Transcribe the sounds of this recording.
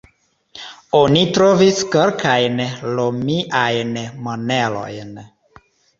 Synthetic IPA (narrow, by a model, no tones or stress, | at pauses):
onitɾoviskeɾkʰajnlomiʔajnmonelo̞̰jn